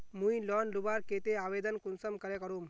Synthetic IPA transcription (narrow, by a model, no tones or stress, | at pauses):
mũilɔːnlubaɾket̪eaːʋed̪ənkunsəmkɐɾekəɾum